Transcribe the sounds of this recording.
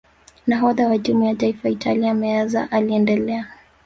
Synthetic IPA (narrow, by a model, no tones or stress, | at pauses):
naɦɔðawaʄumujataifaitʰaliaamɛaza̰ʔaliɛndɛlɛa